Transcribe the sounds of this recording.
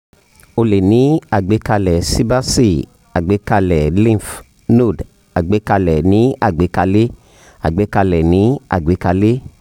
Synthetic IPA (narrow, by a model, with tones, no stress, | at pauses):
o˧˨le˨nĩ˨˦a˨ɡ͡be˨˦ka˧lɛ˨si˦ba˦si˦ | a˨ɡ͡be˨˦ka˧lɛ˨lĩ˦˨f | no˦˨d | a˨ɡ͡be˨˦ka˧lɛ˨nĩ˨˦ʔa˦˨ɡ͡be˨˦ka˧le˦ | a˨ɡ͡be˨˦ka˧lɛ˨nĩ˨˦a̰˦˨ɡ͡be˨˦ka˧le˦